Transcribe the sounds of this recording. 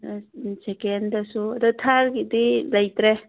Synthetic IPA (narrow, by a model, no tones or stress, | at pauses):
sekendasuɐd̪utʰaɾkidilajt̪ɾe